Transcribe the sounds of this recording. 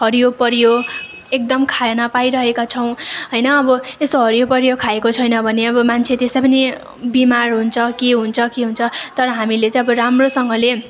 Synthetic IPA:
ɦʌɾijopʌɾjo | ek̚d̪ʌmkʰajenapaiɾʌɦekat͡sʰʌw̃ɦʌjnʌːbʌesoɦʌɾijopʌɾijokʰaekot͡sʰʌjnʌbʱʌneʌbʌmant͡sʰet̪esapʌni | bimarɦunt͡sʰʌkiɦunt͡sʰʌkeɦunt͡sʰʌt̪ʌɾʌɦamilet͡sãj̃ʌbʌɾamrosʌŋɡʌle

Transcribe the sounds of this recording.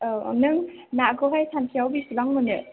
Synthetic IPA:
nɯŋnakoɦajsʰantʰijawbisilaŋmɯnɯ

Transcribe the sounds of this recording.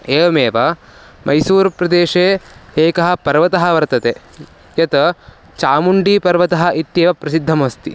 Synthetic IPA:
eːʋɐmeːʋɐ | mʔɐjsuːɾpɾɐd̪eːʂeːeːkɐɦɐ̆pɐɾʋɐt̪ɐɦɐ̆ʋɐɾt̪ɐt̪e | jɐt̪ɐ | t͡ʃaːmuɳɖiːpɐɾʋɐt̪ɐɦɐ̆ʔit̪jeːʋɐpɾɐsid̪ʱːɐmɐst̪ḭ

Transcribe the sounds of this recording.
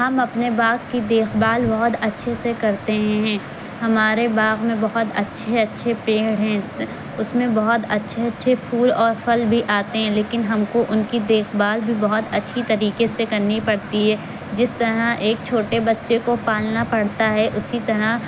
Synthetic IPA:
ɦɐmɐpnebaːɣkid̪eːxbaːlbɐɦʊt̪ɐtːʃʰesekɐɾt̪eɦɦɛ̃ː | ɦɐmaːɾebaːɣmẽbɐɦʊt̪ɐ̰tːʃʰeɐtːʃʰepeːɽɦɛ̃ː | ʊsmẽbɐɦʊt̪ɐtːʃʰeɐtːʃʰefʰuːlɔːɾfɐlbʱiʔaːt̪eɦɛ̃leːkɪnɦɐmkoʔʊnkid̪eːxbaːlbʱibɐɦʊt̪ɐtːʃʰit̪ɐɾiːkesekɐɾnipɐɽt̪iɦɛː | d͡ʒɪst̪ɐɾaeːk̚t͡ʃʰoːʈebɐtːʃekopaːlnapɐɽt̪aɦɛʔʊsit̪ɐɾa

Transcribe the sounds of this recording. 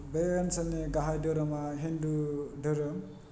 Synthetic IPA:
bensaneɡaɦajdɯɾɯmaɦindudɯɾɯm

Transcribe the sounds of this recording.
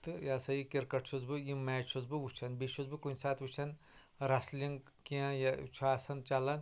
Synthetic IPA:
t̪ɨjaːsɐjikiɾkɐʈt͡ʃʰuzbɨjimːaːt͡ʃʰuzbɨʋut͡ʃʰɐnbit͡ʃʰuzbɨkunʲsaːt̪ʋut͡ʃʰɐn | ɾɐslʲiŋɡ | kiãjat͡ʃʰaːsɐnt͡ʃɐlɐn

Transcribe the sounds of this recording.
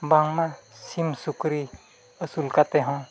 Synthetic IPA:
baŋmãsimsukɾi | əsulkat̪eɦɔ̃

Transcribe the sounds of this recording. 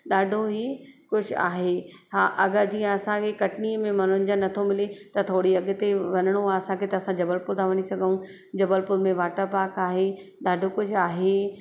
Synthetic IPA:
ɗaːɖʱoɦikʊd͡ʑʱʊa̰ːɦeːɦaːʔɐɡəɾd͡ʑiːə̃ɐsãkʰekɐʈniːəmẽmɐnʊnɪ̆d͡ʑanɐt̪ʰomɪlet̪ɐt̪ʰoːɽiɐɡ̆t̪eʋɐnəɽ̃oaːɐsãkʰet̪ɐːsãd͡ʑɐbəlpʊlt̪ʰaʋɐñisɐɡʱəũ | d͡ʑɐbəlpʊɾmẽʋaːʈəɾpaːkaːɦeɗaːɖʱokʊd͡ʑʱaːɦeː

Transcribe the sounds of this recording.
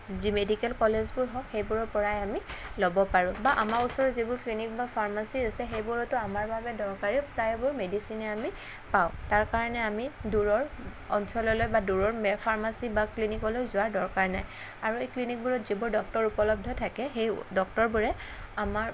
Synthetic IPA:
zimedikɛlkɔlezbʊɹɦɔhejbʊɹɔɹpɔɹajamilɔbɔpaɹʊ̃baʔamaɹusɔɹɔzibʊɹklinikbapʰaɹmasiasɛxejbuɹɔtɔamaɹbabɛdɔɹkaɹipɹajbʊɹmedisinɛami | paʊ̃taɹkaɹɔnɛamiduɹɔɹ | ɔnsɔlɔlojbaduɹɔɹmpʰaɹmasibaklinikɔlojzʊaɹdɔɹkaɹnaj | aɹuejklinik̚buɹɔtzibʊɹdɔk̚tɔɹupɔlɔb̚dʱɔtʰakɛxejdɔk̚tɔɹbuɹɛamaɹ

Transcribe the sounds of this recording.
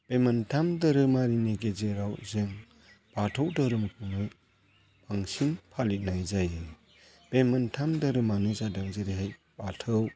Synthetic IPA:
b̥emɯntʰamdɐɾɯmaɾineɡezeɾawzɯŋ | b̥atʰəwdɯɾɯmkʰuŋɯ | baŋsinpʰalit̚najzajɯ | b̥emɯntʰamdɐɾɯmanɯzadaŋzɯɾiɦajbatʰɯw

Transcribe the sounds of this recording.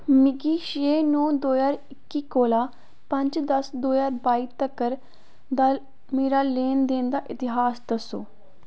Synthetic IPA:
mɪɡiːʃeːnõːd̪oːjaːɾɪkːiːkoːlaː | pəɲd͡ʒd̪əsd̪oːjaːɾbaːiːt̪əkəɾ | d̪aː | meːɾaːleːnd̪eːnd̪aːʔɪt̪ɪɦaːsd̪əsoː

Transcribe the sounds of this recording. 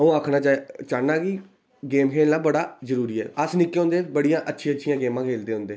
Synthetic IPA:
əũːaːkʰnaːt͡ʃːt͡ʃaːnaːkɪ | ɡeːmkʰeːnlaːbəɽaːzəɾuːɾiːɛ̰ːəsnɪkːeɦõːnd̪eːbəɽijãːʔətːʃʰiãːətːʃʰijãːɡeːmãːkʰeːld̪eːɦʊ̃nd̪eː

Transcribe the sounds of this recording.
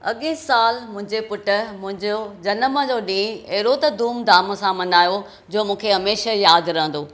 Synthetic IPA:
ɐ̰ɠẽsaːlmʊ̃ɦɪ̃ɲd͡ʑepʊʈə̆mʊ̃ɦɪ̃d͡ʑod͡ʑɐnəməd͡ʑoːɗĩːɐɦɪɾot̪ɐd̪uːmd̪aːməsãmɐnaːjo | d͡ʑoːmũːkʰeɦɐmeːʃajaːd̪ɾɐɦə̃n̆d̪oː

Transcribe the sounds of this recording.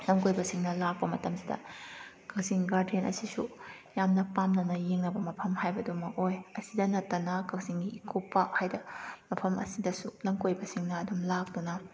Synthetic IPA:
lɐmkojbɐsiŋnɐlak̚pɐmɐtɐmsidɐ̰ | kʰɐk̚siŋɡaɾdienɐ̰sisu | jamnɐpamnɐnɐjeŋnɐbɐmɐpʰɐmhajbɐdumɐkojɐsidɐnɐtːɐnɐkɐk̚ziŋɡiːkʰopːɐhajdɐmɐpʰɐmɐ̰sidɐsulɐmkojbɐsiŋnɐːdumlak̚dunɐ

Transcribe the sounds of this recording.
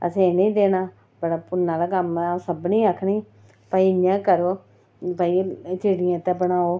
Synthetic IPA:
ə̰sẽnĩːd̪eːnaː | bəɽaːpʊnːaːlaːkəmsəbnĩːəkʰːnĩː | paːiːɲãːkəɾoː | pəːiːt͡ʃiːɽɪjãːt̪ɛːbəɳaːoː

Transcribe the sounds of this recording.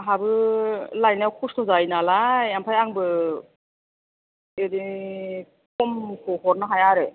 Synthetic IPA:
ɦabɯlajnawkʰustʰɔzajnalajampʰajaŋbɯ | edi | kɔmkʰɔhɔɾnɯɦajaɾe

